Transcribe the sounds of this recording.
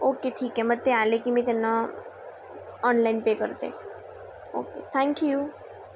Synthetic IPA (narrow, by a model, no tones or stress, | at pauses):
okeʈʰiːkɦɛ̃mət̪ːealekimĩt̪ena | ɔnlainpekəɾt̪ḛ | o̰ket̪ʰɛ̃ŋkju